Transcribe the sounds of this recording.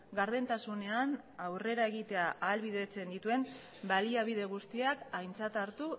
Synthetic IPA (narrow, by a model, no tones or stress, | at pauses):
ɡaɾðe̞nt̪asune̞an | awre̞ɾae̞ɣ̞it̪e̞aʔaːlβiðet͡se̞nd̪it̪ue̞m | baliaβ̞iðe̞ɣ̞ust̪iakajnt͡sat̪aɾt̪u